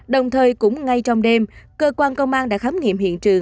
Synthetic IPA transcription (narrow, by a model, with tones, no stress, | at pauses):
ɗə˨˩wŋ͡mt̪ʰəː˨˩jkʊ̰˧˥ŋ͡mŋa˧jt͡ɕɔ˧wŋ͡mɗe˧mkəː˧kwaː˧nkə˧wŋ͡mʔaː˧nɗa̰ː˧˥xaː˨˦mŋḭ˧˨mhḭ˧˨ənt͡ɕɨ˨˩əŋ